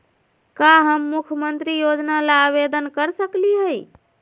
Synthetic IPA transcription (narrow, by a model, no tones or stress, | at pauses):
kaɦəmːukʰəmənt̪ɾijod͡ʒnalaaβed̪ənkəɾsəkliɦəj